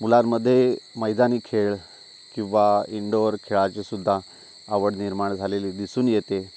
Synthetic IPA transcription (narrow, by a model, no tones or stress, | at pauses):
mulaɾməd̪ʱːjeməjd͡zaniːkʰeɭ | kĩw̃ʋaiɳɖoɾkʰeɭat͡ɕesud̪ʱːaː | ʋəɽniɾmaɳd͡zʱaleliːd̪isuːnjet̪e